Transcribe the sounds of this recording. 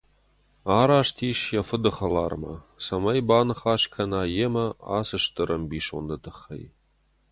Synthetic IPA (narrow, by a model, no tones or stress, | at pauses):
aːɾaːʂtʰiːʃjafɨdɨχɐla̰ːrmɐ̰ | sɐmɐjbaːnɨχaːʃkʰɐnaːjemɐa̰ːsɨʂtɨɾɐmbiːʃo̰ndɐdɨχːḛj